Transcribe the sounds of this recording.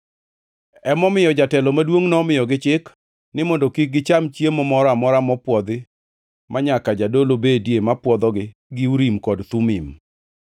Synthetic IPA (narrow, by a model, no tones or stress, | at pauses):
ɛmɔmɪjɔd͡ʒatɛlɔmadwoŋnɔmɪjɔɡɪt͡ʃɪk | nɪmɔndokik̚ɡɪt͡ʃamt͡ʃjemɔmɔɾamɔɾamɔpwɔd̪ɪ | maɲakad͡ʒadolobedjemapwɔd̪ɔɡɪ | ɡɪuɾimkɔdt̪umim